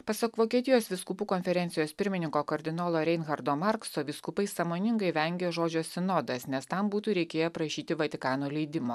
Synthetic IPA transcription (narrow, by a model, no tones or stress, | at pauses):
pɐsɐkʋoːkʲiɛt̪ʲɪjoːsʋʲɪskupuːkoːnʲfʲɛɾʲɛnʲt̪ʲɪjoːspʲɪɾʲmʲɪnʲɪŋkoːkɐɾʲd̪ʲɪnoːlˠoːɾʲɛɪnɣɐɾd̪oːmɑɾksoːʋʲɪskʊpɐɪsɐmoːnʲɪŋɡɐɪʋʲɛŋʲɡʲeːʒoːd͡ʒʲosʲɪnoːd̪ɐsnʲɛst̪ɐmbuːt̪uːɾʲɛɪkʲeːjɛpɾɐʃʲiːt̪ʲɪʋɐt̪ʲɪkɑːnuːlʲɛɪd̪ʲɪmoː